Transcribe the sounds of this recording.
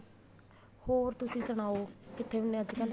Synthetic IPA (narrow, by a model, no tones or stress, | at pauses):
hoːɾt̪ʊsĩːsəɽ̃aːoːkɪt̪ʰːeːʊnːẽəd͡ʒ̪ikɛ̃nd̪